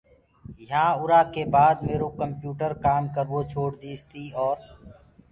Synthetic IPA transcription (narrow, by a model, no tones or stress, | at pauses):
jɦãːʊɾaːkeːbaːd̪meːɾoːkəmpjuːʈəɾkaːmkəɾʋoːt͡ʃʰoːɽd̪iːst̪iːɔːɾ